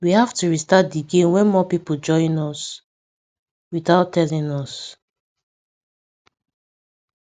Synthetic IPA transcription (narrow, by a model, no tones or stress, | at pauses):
wihaftuɹistat̚diɡẽnwɛ̃nmɔpipod͡ʒɔ̃ĩnɔs | wiθaʊtʰːɛlĩnɔs